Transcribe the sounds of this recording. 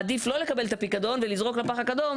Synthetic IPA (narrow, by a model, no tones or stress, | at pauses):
ad̪iflo̞le̞kabelt̪apikad̪o̞nvelizʁo̞klapaχakad̪o̞m